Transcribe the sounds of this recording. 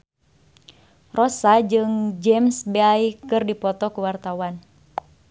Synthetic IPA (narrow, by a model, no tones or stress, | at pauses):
rɔsad͡ʒɨŋd͡ʒɛmsbeaikɨrdipɔt̪ɔkuwart̪awan